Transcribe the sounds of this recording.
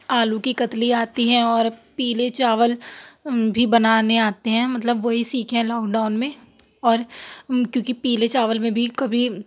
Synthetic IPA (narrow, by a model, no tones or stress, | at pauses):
aːlũkikɐt̪liaːt̪iɦɛ̃ɔːɾpiːlet͡ʃaːʋəl | bʱibɐnaːneaːt̪eɦɛ̃ːmɐt̪ləbʋoɦisiːkʰɦɛ̃lɔːkɖaːʊnmẽ | ɔːɾkjõːkipiːlet͡ʃaːʋəlmẽbʱikɐbʱi